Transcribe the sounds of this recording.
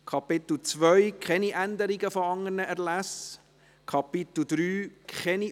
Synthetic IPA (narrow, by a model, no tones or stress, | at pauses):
kʰɑpɪt̪l̩t͡svœjkχɛniʔænd̪əɾiɡəfɔɑŋːərnəʔɛɾlæs | kʰɑpɪt̪l̩d̥̪ɾyːkχɛni